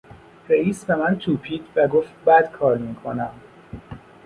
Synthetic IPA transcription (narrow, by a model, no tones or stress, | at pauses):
ɾeiːsbemænt̪ʰuːpʰiːd̪væɡoːft̪bæd̪̥kʰɒːɾmiːkʰonæm